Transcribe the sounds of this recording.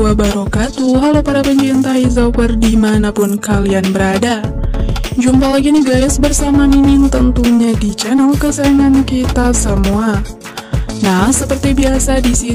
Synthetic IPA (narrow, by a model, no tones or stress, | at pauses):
abaɾokat̪uɦalopaɾapəɲt͡ʃɾint̪aizapərdimanapʊnkalianbəɾada | d͡ʒumpalaɡiniɡaɾʊsbərsamaninɪnt̪ənt̪uɲadit͡ʃɛnəlkəsəɾaŋankit̪asəmua | nahsəpərt̪ibiasadisi